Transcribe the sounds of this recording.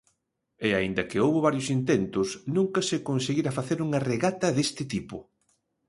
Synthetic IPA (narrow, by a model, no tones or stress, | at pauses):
eaind̪ɐkɪowβʊβaɾjʊsint̪ent̪ʊsnũŋkɐsɪkonseɣiɾɐfaθeɾuŋɐreɣat̪ɐðest̪ɪt̪ipʊ̰